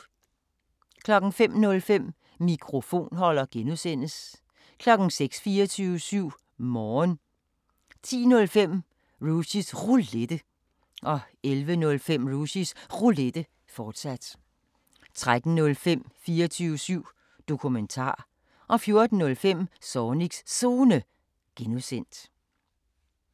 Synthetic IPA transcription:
kʰlɒ̽ɡ̥n̩fem̰nɔ̽lfem̰ | mikʰʁo̝fo̝̰ːnɦɒ̽l̰ɐɡ̥enuðˠsen̰əs | kʰlɒ̽ɡ̥n̩seɡ̥sfiːɐt͡sʰyːʊəsyʊ̰ | mɒːn | t͡sʰḭːnɔ̽lfem̰ | ʁusisʁule̝d̥ə | ʔɒ̽ | elʋənɔ̽lfem̰ʁusisʁuled̥ə | fɒːd̥sæd̥ | t͡sʰʁad̥n̩nɔ̽lfem̰fiːɐt͡sʰyːʊəsyʊ̰ | d̥o̝kʰument͡sʰɑ̰̈ː | ʔɒ̽fjo̝ɐd̥n̩ːɔ̽lfem̰sɒːniɡ̥sso̝ːnə | ɡ̥enuðˠsen̰d̥

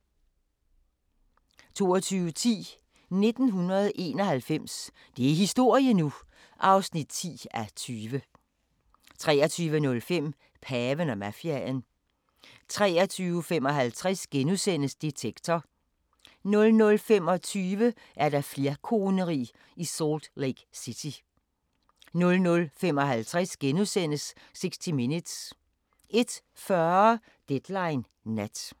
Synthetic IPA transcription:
t͡sʰo̝̰ːɒt͡sʰyːʊət͡sʰḭː | ne̝d̥n̩ɦunɐð̞ˠʔe̝ːnɒ̽hælfem̰s | d̥e̝æɐɦisd̥o̝ɐ̰iənu | ʔɑ̈ʊsnid̥̚t͡sʰḭːæt͡sʰyːʋə | t͡sʰʁɛ̰ːɐt͡sʰyːʋənɔ̽lfem̰ | pʰɛːʋənɒmæfiæn | t͡sʰʁɛ̰ːɐt͡sʰyːʊəfem̰ɒ̽ɦælt͡sʰʁɛsɡ̥enusen̰əsd̥it͡sʰeɡ̥t͡sʰɒ | nɔ̽lnɔ̽lfem̰ɒ̽t͡sʰyːʋə | ʔæɐd̥ɑ̈fle̝ɐkʰo̝ːnəʁḭː | isɔːld̥leɡ̥sit͡sʰi | nɔ̽lnɔ̽lfem̰ɒ̽ɦælt͡sʰʁɛsɡ̥enusen̰əsː | e̝ɡ̥sd̥iminid̥s | ʔe̝d̥ | fɶɐ | d̥ed̥lɑ̈ɪnː | æd̥

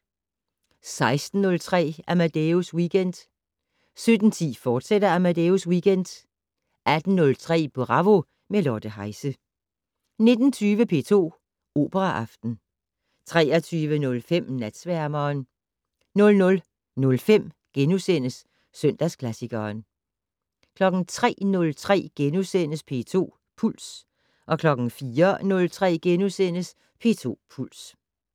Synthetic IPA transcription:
sɑ̈ɪsd̥n̩ːɔ̽lt͡sʰʁɛ̰ːæmæd̥euswiːɡ̥en̰d̥ | sød̥n̩t͡sʰḭːfɒːd̥sedɐæmæd̥euswiːɡ̥en̰d̥ | ʔæd̥n̩ːɔ̽lt͡sʰʁɛ̰ːb̥oʁɑ̈ʋo̝ | melɒd̥əɦɑ̈ɪsə | ne̝d̥n̩t͡sʰyːʋəpʰe̝̰ːt͡sʰo̝̰ː | o̝ːb̥əʁɑʔɑ̈fd̥n̩ | t͡sʰʁɛːɐt͡sʰyːʋənɔ̽lfem̰næd̥sʋæɐmɐːn | nɔ̽lnɔ̽l | nɔ̽lfem̰ | ɡ̥enusen̰əs | søn̰d̥æskʰlæsiɡ̥ɐːn | kʰlɒ̽ɡ̥n̩t͡sʰʁɛ̰ːnɔ̽lt͡sʰʁɛ̰ːɡ̥enusen̰əspʰe̝̰ːt͡sʰo̝̰ː | pʰul̰s | ʔɒ̽kʰlɒ̽ɡ̥n̩fiːɐnɔ̽lt͡sʰʁɛ̰ːɡ̥enusen̰əs | pʰe̝̰ːt͡sʰo̝̰ːpʰul̰s

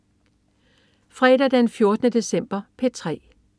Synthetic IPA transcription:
fʁɛːd̥ɐd̥enfjo̝ɐd̥ənəd̥e̝sem̰b̥ɐpʰe̝t͡sʰʁɛ̰ː

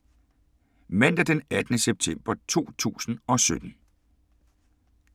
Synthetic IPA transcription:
men̰d̥əd̥enæd̥nəseb̥̚t͡sʰem̰b̥ɐt͡sʰo̝̰ːt͡sʰṵːsn̩ɒ̽sød̥n̩

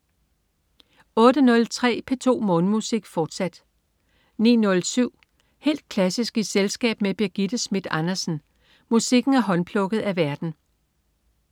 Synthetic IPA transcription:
ɔ̽ːd̥ənɔ̽lt͡sʰʁɛ̰ːpʰe̝t͡sʰo̝̰ːmɔ̽ːnəmusiɡ̥fɒːd̥sæd̥ | nḭːnɔ̽lsyʊ̰ | he̝̰ːld̥̚kʰlæsisɡ̥iselsɡ̥ɛ̰ːb̥meb̥iɐɡ̥id̥əsmid̥ɑnɐsn̩ | musiɡ̥n̩æɐɦɒ̽npʰlɔ̽ɡ̥ð̞̩ˠæʋæɐd̥n̩

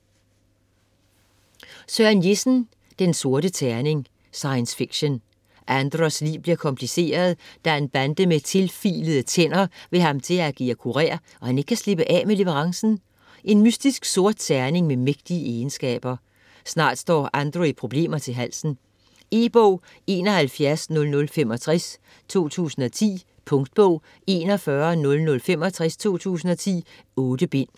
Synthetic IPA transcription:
sœnje̝sn̩ | d̥enso̝ɐɾ̥ət͡sʰæɐne̝ŋ | sɑ̈ɪənsfiɡ̥ɕən | ʔænd̥ʁɒslḭːʊb̥liɐkʰɒ̽mpʰlise̝̰ːɐð̞ˠd̥æænb̥ænd̥əmet͡sʰe̝lfḭːləð̩ˠət͡sʰen̰ɐʋe̝ɦɑ̈mt͡sʰe̝læɡ̥iækʰuʁḛːɐ | ʔɒ̽hæne̝ɡ̥kʰæsle̝b̥əʔɛ̰ːmele̝ʋəʁɑ̈ŋsn̩ | ʔe̝nmysd̥isɡ̥so̝ɐ̰d̥sʰæɐne̝ŋmemeɡ̥̚d̥iəeːnsɡ̥ɛ̰ːb̥ɐ | snɑ̰̈ːd̥sd̥ɒ̰ːʔænd̥ʁoipʰʁo̝b̥le̝̰ːmɐt͡sʰe̝ɦæl̰sn̩ | e̝̰ːb̥ɔʊ̰ | e̝ːnɒ̽hælfjæɐsnɔ̽lnɔ̽lfemɒ̽t͡sʰʁɛs | t͡sʰo̝̰ːt͡sʰṵːsn̩ɒ̽t͡sʰḭː | pʰɔ̽ŋd̥̚b̥ɔʊ̰ | e̝ːnɒfɶɐnɔ̽lnɔ̽lfem̰ɒ̽t͡sʰʁast͡sʰo̝̰ːt͡sʰṵːsn̩ɒ̽t͡sʰḭː | ɔ̽ːd̥əb̥e̝n̰

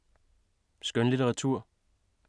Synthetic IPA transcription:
sɡ̥œnlit͡sʰeʁɑ̈t͡sʰuɐ̰

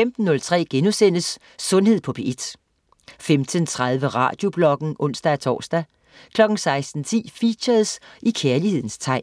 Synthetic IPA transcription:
femd̥n̩ːɔ̽lt͡sʰʁɛ̰ːɡ̥enusen̰əsː | ɔ̽nhe̝ð̞̰ˠpʰɒ̽pʰeed̥ | femd̥ənt͡sʰʁɑð̞ˠʋəʁɑ̰̈ːd̥jo̝b̥lɒ̽ɡ̥n̩ʔɔ̽n̰sd̥ææt͡sʰɒ̰ːsd̥æ | kʰlɒ̽ɡ̥n̩sɑ̈ɪsd̥n̩t͡sʰḭːfiːɕɐðˠsikʰæɐlihe̝ð̰ˠn̩st͡sʰɑ̈ɪ̰

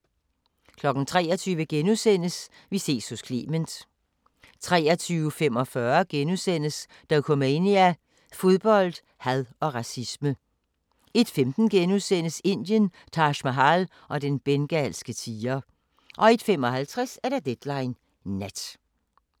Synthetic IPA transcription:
kʰlɒ̽ɡ̥n̩t͡sʰʁɛ̰ːɒt͡sʰyːʋəɡ̥enusen̰əs | ʋise̝̰so̝skʰle̝ːmənd̥ | t͡sʰʁɛ̰ːɐt͡sʰyːʊfem̰ɒ̽fɶɐɡ̥enusen̰əs | d̥ækʰɔmæeniæ | fo̝ð̞ˠb̥ɒ̽l̰d̥ | hæðˠɒ̽ʁɑ̈sismə | e̝d̥femd̥n̩ɡ̥enusen̰əse̝n̰d̥jən | t͡sʰɑ̈ɕmæɦɑl | ʔɒ̽d̥enb̥enɡ̥ælsɡ̥ət͡sʰiːɐ | ʔɒ̽e̝d̥femɒ̽hælt͡sʰʁɛsæɐɾ̥æd̥ed̥lɑ̈ɪnː | æd̥

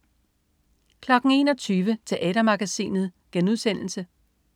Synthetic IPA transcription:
kʰlɒ̽ɡ̥ŋ̩e̝̰ːnɒ̽t͡sʰyːʋət͡sʰe̝ʔɛ̰ːɾɐmɑ̈ɡ̥æsḭːnð̞̩ˠɡ̥enuðˠsen̰l̩sə

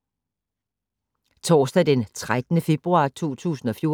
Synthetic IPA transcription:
t͡sʰɒːsd̥æd̥ent͡sʰʁad̥ənəfe̝b̥ʁuɑ̈ːt͡sʰṵːt͡sʰṵːsn̩ɒ̽fjo̝

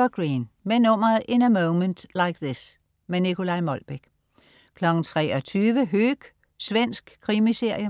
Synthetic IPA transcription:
ɐɡ̥ʁiːnmenomɐʔɪ̃nəmoʊnmə̃ndlaɪkðɪs | menikʰo̝lɑɪmɒlb̥eɡ̥ | kʰlɒɡ̥n̩t͡sʰʁɛ̰ːɒt͡sʰyːʋəɦøːɡ̥ | sʋen̰sɡ̥kʰːʁimise̝ɐ̰jə

